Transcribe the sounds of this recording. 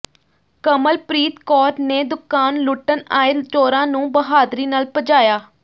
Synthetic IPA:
kəməlpɾiːt̪kɔːɾneːd̪ʊkːaːnlʊʈənaːɪlt͡ʃoːɾãːnũːbəɦaːd̪ɾiːnaːlpəd͡ʒaːjaː

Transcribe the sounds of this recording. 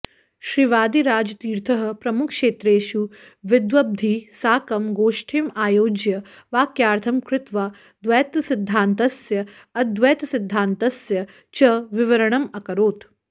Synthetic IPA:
ʃɾɪʋaːd̪iɾaːd͡ʒɐt̪iːɾt̪ʰɐɦɐ̆pɾɐmʊkʰʃeːt̪ɾeːʃu | ʋɪd̪ʋɐb̚d̪ʱisaːkɐmɡoːʃʈʰemaːjoːd͡ʒjɐ | ʋaːkjaːɾt̪ʰɐmkɾɪt̪ʋa | d̪ʋɐːt̪sɪd̪ʱːaːnt̪ɐsjɐ | ɐd̪ʋɐːt̪sɪd̪ʱːaːnt̪ɐsjɐ | t͡ʃɐʋɪʋɐɾɐɳ̃ɐmɐkɐɾoːt̪

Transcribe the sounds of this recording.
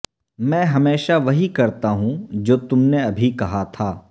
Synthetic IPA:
mɛ̃ːɦɐmeːʃaʋɐɦikɐɾt̪aɦũd͡ʒoːt̪ʊmneɐbʱikɐɦat̪ʰaː

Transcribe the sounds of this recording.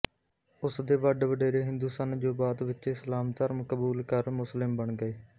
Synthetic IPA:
ʊsd̪eːʋəɖʋəɖeːɾeːɦɪ̃nd̪uːsaːnd͡ʒoːbaːd̪ʋɪteːsəlaːmt̪əɾməkəbuːlkəɾmʊslɪmbəɳɡəeː

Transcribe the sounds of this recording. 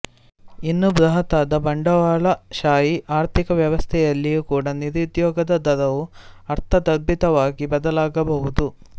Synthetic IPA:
inːubɾɐɦɐt̪aːd̪ɐbɐɳɖɐʋaːɭɐʃaːjiʔaːɾt̪ʰikɐʋjɐʋɐst̪ʰɛjɐlːijukuːɽɐniɾid̪jɔːɡɐd̪ɐd̪ɐd̪ɐʋuɐɾt̪ʰɐd̪ɐbːit̪ɐʋaːɡibɐd̪ɐlaːɡɐbɐɦud̪u

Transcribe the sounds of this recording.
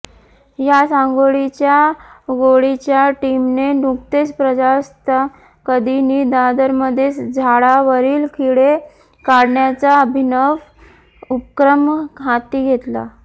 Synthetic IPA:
jasãŋɡoɭit͡ɕjaɡoɭit͡ɕjaʈimnenuk̚t̪et͡spɾəd͡zast̪a | kəd̪ʱiniːd̪ad̪əɾməd̪ʱːet͡sd͡zʱaɭaʋəɾiːlkʰiɭe | kaɽɳjat͡saəbʱinəʋ | upkɾəmkʰat̪iːɡʱet̪la̰

